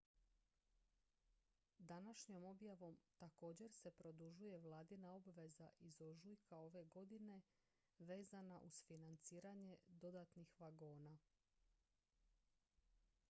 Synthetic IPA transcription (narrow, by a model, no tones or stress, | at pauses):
d̪anaʃɲo̞mo̞bjaʋo̞mt̪ako̞ːd͡ʑe̞ɾse̞pɾo̞d̪uʒuje̞ʋlˠaːd̪inao̞bʋe̞zaʔizo̞ʒujkʰao̞ʋe̞ɡo̞d̪ine̞ | ʋe̞ːzanaʔuzfinant̪siːɾaɲe̞d̪o̞d̪at̪nixʋaɡo̞ːna